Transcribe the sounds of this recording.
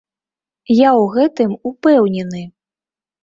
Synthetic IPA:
jawɣɛt̪ɨmupɛwnʲɛnɨ

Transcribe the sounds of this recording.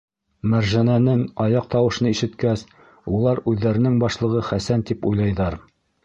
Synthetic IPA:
mæɾʒænænɘŋɑjɑq̚t̪ɑwɤ̆ʃnɤiʃɘ̆t̪kæs | ulˠɑɾʉðːæɾɘ̆nɘŋbɑʃlˠɤ̆ʁɤχæsænt̪ipujlˠɑjðɑɾ

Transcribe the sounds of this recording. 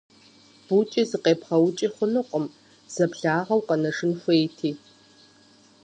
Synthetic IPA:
b̥ut͡ʃʼizɨqeːpχɐwʊt͡ʃʼiχʷʊnɨqʷʼʊm | z̥ɐpɬaːʁɐwqʼɐnɐʂɨnxʷeːjtʰiː

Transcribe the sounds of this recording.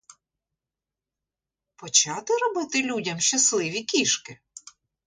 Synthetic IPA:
pɔt͡ʃɑt̪ɪɾɔbɪt̪ɪlʲudʲɐmʃt͡ʃɐslˠɪʋʲikʲiʃkɪ

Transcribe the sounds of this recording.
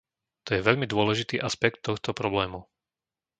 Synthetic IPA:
t̪ɔjɛʋɛʎmid̪ʊɔlɛʒit̪iːʔaspɛkt̪ːɔxt̪ɔpɾɔblɛːmu

